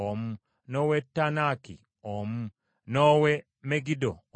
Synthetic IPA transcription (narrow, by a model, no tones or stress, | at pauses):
om̩ | nowetːanakḭ | om̩ | nowe | meɡido